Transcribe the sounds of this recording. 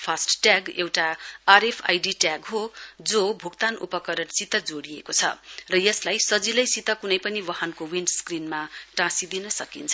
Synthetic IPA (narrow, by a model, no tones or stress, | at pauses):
pʰasʈʈjaɡewʈaːrepʰa̰jɖiʈjaɡɦod͡zobʱukt̪anṵpʌkʌɾʌnsit̪ʌd͡zoɽiekot͡sʰʌ̰rʌjʌslajsʌd͡zilʌjsit̪ʌkunʌjpʌniwʌɦʌnkowinɖskrinmaʈãsid̪inʌsʌkint͡sʰ